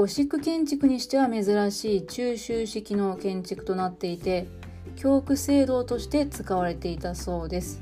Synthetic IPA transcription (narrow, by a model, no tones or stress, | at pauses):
o̞ɕikɯ̟kẽ̞ɲ̟t͡ɕikɯ̟ɲ̟iɕi̥t̪e̞βame̞zɨɾaɕiːt͡ɕɨːɕɨːɕikʲino̞kẽ̞ɲ̟t͡ɕikɯ̟̥t̪o̞nat̪ːe̞it̪e̞ | kʲo̞ːkɯ̟se̞ːd̪o̞ːt̪o̞ɕi̥t̪e̞t͡sɨ̥kaβ̞aɾe̞t̪e̞it̪aso̞ːd̪e̞sɨ̥